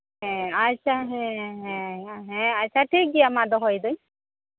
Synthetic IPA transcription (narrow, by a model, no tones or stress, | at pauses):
ɦɛ̃at͡ʃʰaɦɛ̃ɦɛ̃ɦɛ̃aʃʰaʈʰik̚ɡijamad̪ɔɦɔjd̪uj